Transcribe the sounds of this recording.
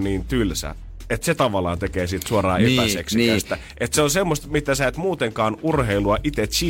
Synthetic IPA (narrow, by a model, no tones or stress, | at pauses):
niːnt̪ylsæ̰ | et̪set̪ɑʋɑlːˑɑ̰ːnt̪ekeːsit̪suorɑ̰ːet̪seksiæst̪æ | ʔet̪seonsemːost̪mit̪æsæet̪muːt̪eŋkɑːnurheiluɑʔit̪et̪si